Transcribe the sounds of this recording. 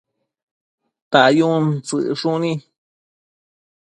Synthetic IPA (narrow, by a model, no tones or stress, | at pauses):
t̪aʔjũnt͡sɨ̰ʔʂũnĩ